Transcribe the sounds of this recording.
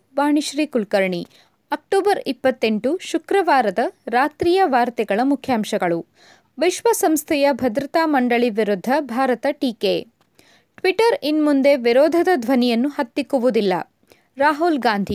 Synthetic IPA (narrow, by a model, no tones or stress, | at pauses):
baːɳiʃɾiːkulkɐɾɳi | ɐk̚ʈɔːbɐɾipːɐt̪ːe̞ɳʈuʃukɾɐʋaːɾɐd̪ɐɾaːt̪ɾiːjɐʋaːɾt̪ɛɡɐɭɐmukʰjaːmʃɐɡɐɭu | ʋiʃʋɐsɐmst̪ʰɛjɐbʱɐd̪ɾɐt̪aːmɐɳɖɐɭiʋiɾud̪ʱːɐbʱaːɾɐt̪ɐʈiːke | ʈʋiʈɐɾinmund̪e̞ʋiɾɔːd̪ʱɐd̪ɐd̪ʱʋɐnijɐnːuhɐt̪ːikːuʋud̪ilːɐ̰ | ɾaːɦulɡaːnd̪ʱi